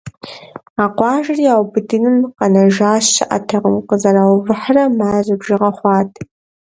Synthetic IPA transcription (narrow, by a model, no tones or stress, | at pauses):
aːqʷɑːʒɐrijaːwbɨdɨnɨmqɐnɐʒaːʃɐʔa̰tʰɐʁəmqəzɐɾawvɨħrɐmaːzɨbʒɪʁɐχʷɑːtʼ